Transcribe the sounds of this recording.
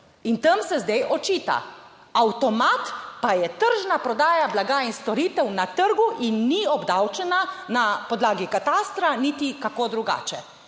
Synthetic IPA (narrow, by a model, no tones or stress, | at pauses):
int̪əmsɛzd̪ɛjʔɔt͡ʃiːt̪a̰ | awt̪ɔmat̪pajɛt̪əɾʒnapɾɔd̪aːjablaɡainst̪ɔɾiːt̪ɛwnat̪əɾɡuʔinːiɔbd̪awt͡ʃɛnanapɔd̪laːɡikat̪ast̪ɾanit̪ikakoːd̪ɾuɡa̰ːt͡ʃɛ